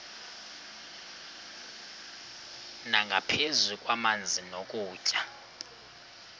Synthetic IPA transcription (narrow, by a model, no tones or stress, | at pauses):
naŋɡʱapʰezukʼwamand͡zʱinokʼuːcʼa